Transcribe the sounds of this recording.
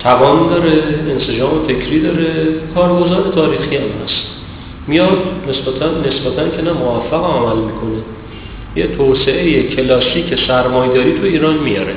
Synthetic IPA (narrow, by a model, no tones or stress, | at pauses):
t̪ʰævɒːnd̪ɒːɾeːnsed͡ʒɒːmefe̞cʰɾiːd̪ɒːɾe̞kʰɒːɾɡo̞zɒːɾe̞t̪ʰɒːɾiːxiæmhæ̰st̪ | mijɒd̪ne̞sbæt̪ʰænːe̞sbæt̪ʰæncʰe̞næmovæfːæɣeæmælmiːkʰo̞ne | jet̪ʰoːse̞ʔejecʰe̞lɒːsiːcʰe̞sæɾmɒːjd̪ɒːɾiːt̪ʰujiːɾɒːnmijɒ̰ːɾe